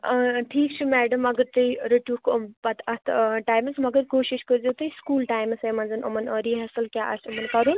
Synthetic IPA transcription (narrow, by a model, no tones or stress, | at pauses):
ʈʰiːkt͡ʃʰimɛːɖɐmɐɡəɾt̪ɨiɾeʈuːkʰpɐt̪ʰɐt̪ʰʈaːjmɐsmɐɡəɾkoːʃiʃkəzeːt̪ɨskuːlʈaːjmsẽmɐnzɐnʔɐ̰mɐnəɾiɦɐsɐlkjaːʔɐ̰sɐmɐnkɐɾuːn